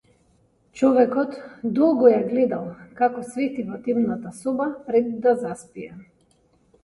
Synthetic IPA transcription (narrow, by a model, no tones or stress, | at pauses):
t͡ʃɔvɛkɔt̪d̪ɔlˠɡɔjaɡlɛd̪alˠkakɔsvɛt̪ivɔt̪imnat̪asɔbapɾɛd̪ːazaspija